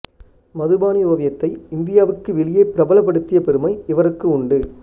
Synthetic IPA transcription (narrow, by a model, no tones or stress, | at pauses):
mɐðɯbaːniʊbɐʋɐjɐt̪ːɐɪɪnd̪ɪjaːʋɯkːɯʋɪlɪjeːpɪɾɐbɐlɐp̬ːɐɽɯt̪ːɪjɐpɛɾɯmɐɪɪʋɐɾɯkːɯʊɳɖɯ